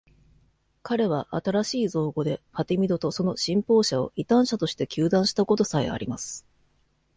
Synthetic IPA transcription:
kaɾe̞β̞aʔat̪aɾaɕiːzo̞ːɡo̞d̪e̞ɸat̪emʲid̪o̞t̪o̞so̞no̞ɕĩmpo̞ːɕao̞̰ʔit̪ãɰ̃ɕat̪o̞ɕi̥t̪e̞kʲɨːd̪ãɰ̃ɕi̥t̪ako̞t̪o̞saḛa̰ɾʲimasɨ̥

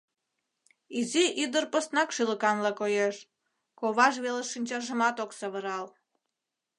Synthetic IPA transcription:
iziʔid̪ərpost̪nɑkʃyləkɑnlɑkojeʃ | koβɑʒβeleʃinʲt͡ɕɑʒəmɑt̪oksəβəɾɑl

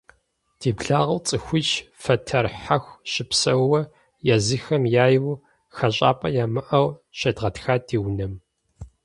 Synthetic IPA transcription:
d̥iːbɮaːʁɐwt͡sʼɨxʷʊt͡ʃfɐtʰɐrħaxʷɕɪpsɐwːɐ | jazɨxɐmjaːjw | xɐɕʼa̰ːpʼɐjaːmɨʔɐwɕɐdʁɐtxaːdiːwnɐm

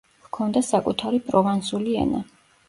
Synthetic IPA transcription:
vkʰɔnd̪asakʼut̪ʰaɾipʼɾɔvansuliɛ̰na

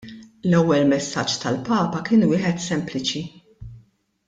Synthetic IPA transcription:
lɛwːɛlmɛsːɐt͡ʃːt̪ɐlpɐːpɐkɪːnwɪːħɛt̪sɛmplɪt͡ʃi

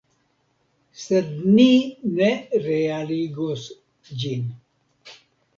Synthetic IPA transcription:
sɐd̪nineɾeaɾiɡos | d͡ʑin

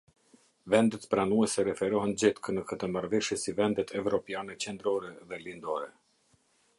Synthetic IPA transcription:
vɛnd̪ɛt̪pɾanuɛsɛɾɛfɛɾɔɦɛnd͡ʑɛt̪kənəkət̪əmaɾvɛʃjɛsivɛnd̪ɛt̪ʰɛvɾɔpjanɛt͡ɕɛnd̪ɾɔɾɛðɛlind̪ɔɾɛ

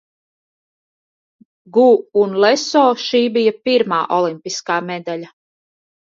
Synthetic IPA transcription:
ɡuːnlɛsɔːʃiːbijapiɾmaːʔɔlˠimpiskaːmɛd̪alʲa

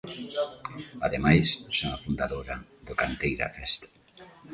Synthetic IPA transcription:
aðemajssoŋafund̪aðoɾɐðʊkant̪ejɾa̰fɛst̪ḁ

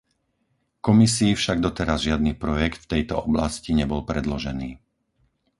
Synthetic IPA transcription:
kɔmisiːfʃaɡ̚d̪ɔt̪ɛɾazʒɪad̪niːpɾɔjɛkt̪ft̪ɛjt̪ɔɔblasciɲɛbɔlpɾɛd̪lɔʒɛniː

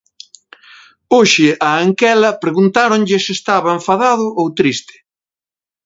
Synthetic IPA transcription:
oʃɪʔɐːŋkɛlɐpɾeɣunt̪aɾoɲʎɪsest̪aβɐẽɱfaðaðʊʔowt̪ɾist̪ɪ̥

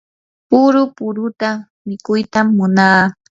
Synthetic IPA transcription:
pʊɾʊpʊɾʊt̪a | mɪkʊjt̪amːʊnaː

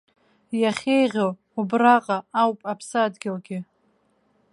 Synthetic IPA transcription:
jaχʲejʁʲow | ubraqʼaawpʼapʰsadɡʲɪlɡʲɪ

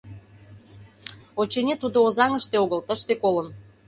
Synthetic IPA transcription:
ot͡ɕenʲet̪ud̪oːzɑŋəʃt̪eoɣəlt̪əʃt̪ekolən

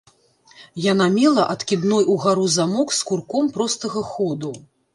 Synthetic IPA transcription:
janamʲɛlˠɐʔɐt̪kʲid̪nɔjuɣaɾuzamɔkskurkɔmpɾɔst̪ɐɣɐxɔd̪u

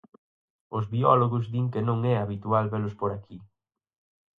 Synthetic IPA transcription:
ʊzβiɔloɣʊzðiŋkɪnõŋɛaβit̪ualβelʊspoɾakʰi

